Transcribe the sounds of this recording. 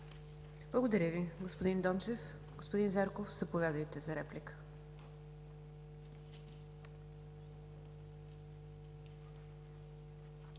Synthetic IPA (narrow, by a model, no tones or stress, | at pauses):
blˠəɡod̪ɐɾʲəviɡospod̪ind̪ɔnt͡ʃɛf | ɡospod̪inzaɾkofz̥ɐpovʲjad̪əjt̪ɛzɐɾɛplikə̥